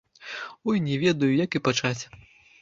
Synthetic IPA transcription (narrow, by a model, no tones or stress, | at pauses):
ujnʲɛvʲɛd̪ɐjujakipat͡ʂat͡sʲ